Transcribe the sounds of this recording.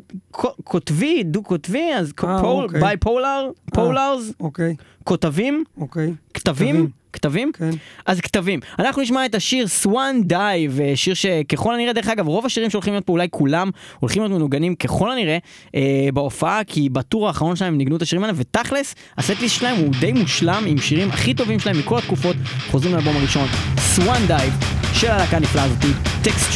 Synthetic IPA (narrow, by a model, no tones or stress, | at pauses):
kʰokʰotvidukotviazobajpowlaʁpolaʁzokkot̪avimokekt̪avim | kt̪avimkazkt̪avimanaχnuniʃ̬maet̪aʃiʁswand̪ajveʃiʁʃe̞keχo̞laniʁed̪eeχaɡavʁo̞vaʃiʁimʃeolχimljo̞t̚poulajkʰulamolχimjo̞d̪̬menuɡanimke̞χo̞laniʁe | ebeo̞faakʰibatuʁaːχaʁo̞nʃelae̞mniɡnut̪aʃiʁimalemvet̪aχles | asetlisʃelae̞mud̪ejmuʃlamimʃiʁimaχit̪ovimʃelaemːiko̞lat̪kufo̞t̪χo̞zʁimlealbo̞maʁiʃo̞nswand̪ajvʃelahalakaniflaːzot̪it̪ekst